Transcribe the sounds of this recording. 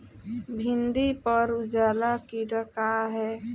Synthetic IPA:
bʱɪ̃nd̪ipəɾʊd͡ʒaːlakiɾəkaɦɛː

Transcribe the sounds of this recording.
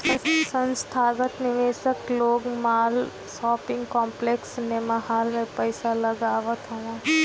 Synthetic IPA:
ɐssə̃nst̪ʰaːɡət̪nɪʋeːsəkloːɡmaːl | sɔːpɪ̃ŋɡkɔːmpleːksnemɐɦaːlmẽpəɪsalɐɡaːʋət̪ɦoʋã

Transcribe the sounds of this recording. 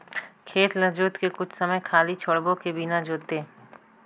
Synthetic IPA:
kʰeːt̪lɐd͡ʒoːt̪kekʊt͡ʃʰsɐməjkʰaːlit͡ʃʰoɽbõkebinad͡ʒoːt̪e

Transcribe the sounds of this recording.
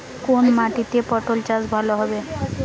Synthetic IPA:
konmaʈit̪epɔʈolt͡ɕasbʱaloɦɔbe

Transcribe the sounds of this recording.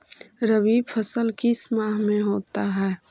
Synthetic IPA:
ɾəbiːbpʰəsəlkismaːɦmẽɦoːt̪aɦɛː

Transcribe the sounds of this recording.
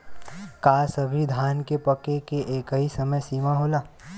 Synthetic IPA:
kaːsɐbʱid̪ʱaːnkepɐkekeʔeːkəɦisɐməjsiːmaɦoːlaː

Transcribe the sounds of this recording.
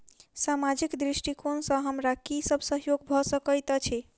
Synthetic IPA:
samad͡ʒikd̪ɾisʈikʰonsə̃ɦəmɾakisəbʱsəɦjoɡ̚bʱɔsəkəjt̪t͡ʃʰɛ

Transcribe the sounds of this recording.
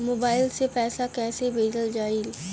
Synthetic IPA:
moːbaːɪlsepɛːsakɛːsebʱeːd͡ʒəld͡ʒaːil

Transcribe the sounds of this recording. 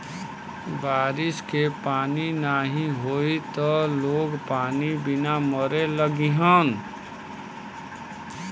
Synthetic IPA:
ʋaːɾɪskepaːninaɦĩɦoit̪ɔloːɡpaːnibɪnaməɾeləɡiɦən

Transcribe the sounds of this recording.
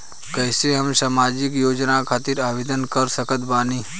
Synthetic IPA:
kəɦseɦəmsamad͡ʒikjoːd͡ʒnakʰat̪iɾaʋed̪ənkəɾsəkət̪baːni

